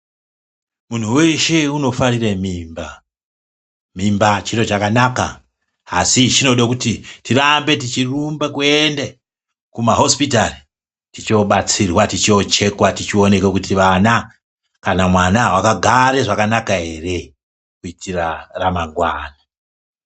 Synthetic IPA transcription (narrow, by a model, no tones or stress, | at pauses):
mun̤uwe̞ʃe̞uno̞faɾiremimba | mimbat͡ʃiɾo̞t͡ʃakanaka̰ː | sit͡ʃino̞ɗakutitirambe̞tit͡ʃirumbekuende | kumaɦo̞spitari | tit͡ʃo̞ɓat͡sirwatit͡ʃot͡ʃe̞kwatit͡ʃio̞ne̞kekutʰiʋana | kanamwanawakaɡʱaɾe̞ʐakanakaɦe̞re̞ | kuitʰiraramaŋɡwaːna